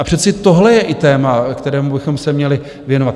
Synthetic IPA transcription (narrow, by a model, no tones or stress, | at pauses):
ʔapr̝̥ɛt̪t͡sɛt̪o̞ɦlɛjɛʔɪt̪ɛːmakt̪ɛɾɛːmubɪxo̞msɛmɲɛlɪ | vjɛnovat̪